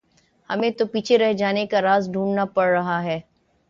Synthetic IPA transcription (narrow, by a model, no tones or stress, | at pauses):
hɐmẽt̪opiːt͡ʃʰeɾɛɦd͡ʒaːnekaɾaːzɖʱũːɳnapɐɽːɐɦaɦɛː